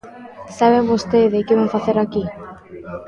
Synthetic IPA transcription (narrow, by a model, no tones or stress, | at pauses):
saβembost̪eðekeβaɱfaθeɾaki